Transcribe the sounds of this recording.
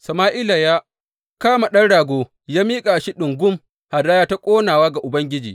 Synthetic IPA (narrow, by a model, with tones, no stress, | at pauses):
sɐ˨maː˦ʔɪ˦la˨jaː˦ | kaː˦ma˨ɗɐ˦nɽaː˨ɡʷoː˦ | jaː˦miː˦kʼa˨ʃi˦ɗʊ˨ŋɡʷʊ˦m | ha˨daː˦jaː˦ta˦kʷʼoː˦naː˨waː˦ɡa˨ʔʊ˨bɐ˦ŋɡʲɪ˦d͡ʒḭː˨